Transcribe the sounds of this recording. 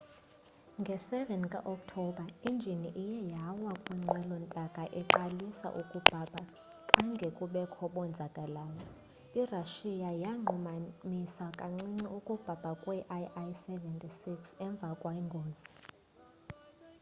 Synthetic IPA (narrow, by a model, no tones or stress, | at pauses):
ŋɡʱɛsɛvɛnkʼa̰ʔɔk̚tʰɔɓʱaind͡ʒʱiniʔijɛjawakʼwiŋ͡ǁʱɛlɔntʼakʼaʔɛǃalisa̰ʔukʼub̥ʱab̥ʱa | kʼaŋɡʱekʼuɓɛkʰɔɓɔnd͡zʱaɡ̥ʱalaːjɔ | iraʃijajaŋ͡ǃumamisakʼaŋ͡ǀiŋ͡ǀiukʼub̥ʱab̥ʱakʼwɛʔaajsɛvɛntʼisiksɛɱb̪vʱakʼwaiŋɡʱoːzi